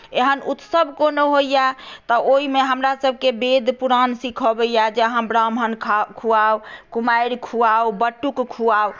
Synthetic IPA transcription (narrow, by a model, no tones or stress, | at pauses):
eɦənut̪səbʱkonoɦojjat̪ɔoimeɦəmɾasəbʱkebed̪ʱpuɾansikʰəbejad͡ʒeɦãbɾamɦənkʰkʰuawkumaiɾkʰuawbəʈːukkʰːuaw